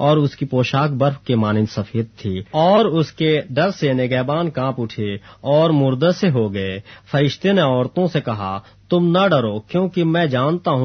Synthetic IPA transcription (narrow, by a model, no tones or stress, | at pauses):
ɔːɾʊskipoːʃaːkbɐɾfkemaːnɪ̃nsɐfʰeːd̪̚t̪ʰːiːɔːɾʊskeɖɐɾseneɡɛːbaːnkãːpʊʈʰeɔːɾmʊɾd̪əseɦoɡɐefʰɐɾɪʃt̪eneɔːɾt̪õsekɐɦa̰ | t̪ʊmnɐɖɐɾokjõːkimɛ̃d͡ʒaːnt̪aɦũ